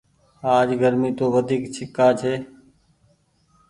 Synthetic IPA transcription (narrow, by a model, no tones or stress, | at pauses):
aːd͡ʒɡəɾmiːt̪oːʋəd̪ʱiːkt͡ʃʰɪkaːt͡ʃʰeː